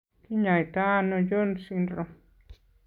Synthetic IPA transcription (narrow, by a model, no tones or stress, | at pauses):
kiɲajt̪aːnojonsinro